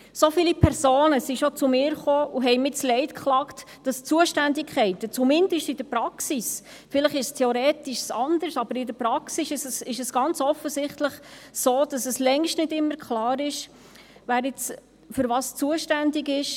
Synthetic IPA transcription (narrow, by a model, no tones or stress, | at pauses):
sofiːlipʰɛɾsoːnəsiʃot͡sumɪːɾχoːʔuɦɛɪmɪslɛɪtkχlɑkt | d̥ɑst͡suəʃtændɪkʰχɛɪtət͡sumɪndəʃtɪd̥əpɾɑksis | fɪləχɪʃstʰɛoɾɛːtɪʃsɑnd̥əɾsɑbəɾɪdəpɾɑksisɪsɛsɪʃəsɡ̥ɑnt͡sɔfəsɪχtləχsoːd̥ɑsəslɛŋʃtnɪdɪmːəɾkʰχlɑːɾɪʃ | ʋæːɾɪt͡s | fʏɾʋɑːst͡suəʃtændɪɡɪʃ